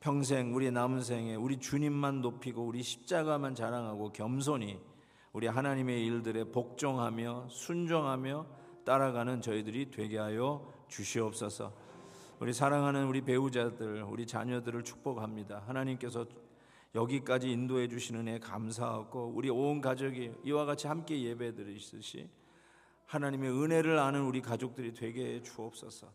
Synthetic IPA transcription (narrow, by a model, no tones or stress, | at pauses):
pʰjʌŋs̬ʰe̞ŋuɾinauns̬ʰe̞ŋe̞uɾit͡ɕuɲimːanːopʰiɡouɾiɕʰi̥p̚t͡ɕ͈aɡamant͡ɕaɾaŋɦaɡokjʌms̬ʰoɲi | uɾiɦanaɲime̞iɭdɯɾe̞pok̚t͡ɕ͈ʌŋɦamjʌsʰund͡ʑoŋɦamjʌ | t͈aɾaɡanɯnt͡ɕʌidɯɾitwe̞ɡe̞ɦajʌ | t͡ɕuɕʰiʌp̚s͈ʌsʰʌ̰ | uɾisʰaɾaŋɦanɯnuɾipe̞ud͡ʑadɯɭṵɾit͡ɕa̰ɲʌdɯɾɯɭt͡ɕʰu̥k̚p͈ʌɡamɲidaɦanaɲimk͈e̞sʰʌ | jʌɡik͈ad͡ʑiːndoɦe̞d͡ʑuɕʰinɯne̞kamsʰaɦaɡouɾionkad͡ʑʌɡiiwaɡat͡ɕʰihamk͈e̞je̞be̞edɯɾis͈ɯɕʰḭ | hanaɲime̞ɯne̞ɾɯɾanɯnuɾikad͡ʑok̚t͈ɯɾitwe̞ɡe̞t͡ɕuʌp̚s͈ʌsʰʌ